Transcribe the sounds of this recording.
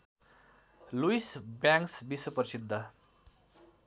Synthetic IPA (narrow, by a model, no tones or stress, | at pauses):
luisbjaŋksbiswʌpʌɾisid̪ʱːʌ